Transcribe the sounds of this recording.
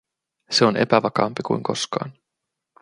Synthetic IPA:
se̞o̞nʔe̞̰pæʋɑkɑːmpikujŋko̞skɑ̰ːn

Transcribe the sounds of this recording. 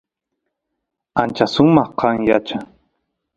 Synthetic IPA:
ant͡ʃasʊmɑχqʰɑŋjat͡ʃa

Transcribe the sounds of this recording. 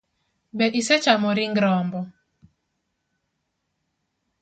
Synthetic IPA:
bɛʔisɛt͡ʃamɔɾiŋɡɾɔːmbɔ

